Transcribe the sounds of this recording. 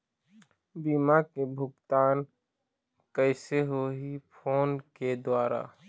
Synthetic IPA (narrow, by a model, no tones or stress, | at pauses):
biːmakebʱʊɡt̪aːn | kəɪseɦoɦipʰoːnked̪waːɾa̰ː